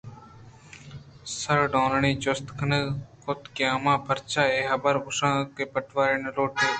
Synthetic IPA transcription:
səɾɖõːnɳiːt͡ʃost̪kʰənəkʰʊt̪kjaːmãːpʰəɾt͡ʃaːeːɦəbəɾɡʊsãːkeːpəʈʋaːɾɪnloːʈʰeː

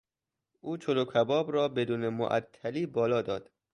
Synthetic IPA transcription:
ʔuːt͡ʃʰolokʰæbɒːbɾɒːbe̞d̪uːnemo̰ʔæ̰t̪ʰːæliːbɒːlɒːd̪ɒ̰ːd̪̥

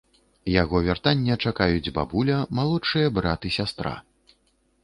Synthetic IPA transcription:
jaɣɔvʲart̪anʲːɛt͡ʂakajud͡zʲba̰bulʲɐmalˠɔt͡ʂɨjɐbɾat̪ɨsʲast̪ɾa̰

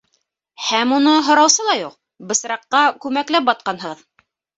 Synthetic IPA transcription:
hæmunɤɦŏɾɑwsɤlˠɑjuq̚ | bɤ̆sɾɑqːɑkʉmæklæp̚bɑt̪̚qɑnɦɤ̆ʁɤð

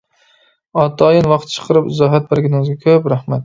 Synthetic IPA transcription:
ɒt̪ʰɒjɪnwɑqt̪t͡ʃʰɨ̥qʰɨɾɪpɪzɒɦat̪̚baɾɡʲɪnɪŋzɡʲakʰʲɵpɾahmat̪̚

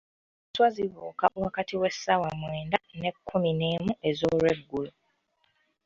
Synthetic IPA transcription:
swaziβo̰ːkaʔwakatiwe̞sːawamweːndane̞kʰːumine̞ːmue̞zoːlwe̞ɡːulu

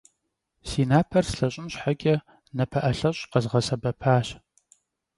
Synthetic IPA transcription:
siːnaːpʰɐrsɬɐɕʼɪnɕħaɡʲʼɐ | nɐpʰɐʔɐɬɐɕʼqɐzʁɐsɐbɐpʰaːɕ

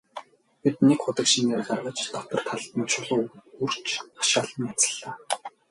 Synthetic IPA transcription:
pit̪̚nekχʊt̪ə̆kʃineːrɢarʁə̆t͡ɕt̪ɔt̪ɞ̆r̥t̪ʰaɮt̪ə̆nt͡ɕʰʊɮʊːur̥t͡ɕʰḁʃaːɮə̆nat͡sə̥̆ɮːaː

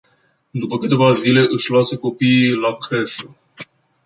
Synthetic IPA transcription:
d̪upəkɨt̪e̞vazile̞ʔɨʃlasəko̞piːlakɾeʃo

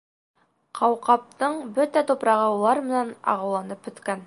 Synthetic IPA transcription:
qʰɑwqɑp̚t̪ɤɴbɵt̪æt̪upɾɑʁɤulˠɑɾmɘ̆nænɑ̰ʁɑwlˠɑnɤpɵ̆t̪kæn

